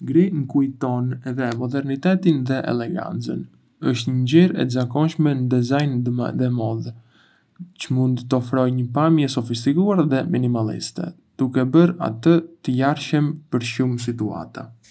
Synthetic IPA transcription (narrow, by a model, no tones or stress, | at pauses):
ɡɾiŋkujt̪ɔnɛðɛmɔd̪ɛɾnit̪ɛt̪inðɛʔɛ̰lɛɡa̰nt͡sən | əʃt̪ɲəɲɟiɾɛ̰t̪zakɔnʃmɛnəd̪ɛzajnd̪ɛmɔð | t͡ɕəmund̪t̪ɔfɾɔjɲəpamjɛsɔfis̬t̪ikuaɾðɛminimalḭst̪ɛ̰ | d̪̥ukɛbəɾa̰t̪ət̪əjaɾʃəmpəɾʃums̬it̪ua̰t̪a